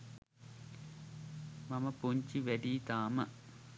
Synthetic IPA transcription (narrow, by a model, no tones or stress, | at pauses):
mɐmɐpuɲt͡ʃiʋɐɖiːt̪aːmɐ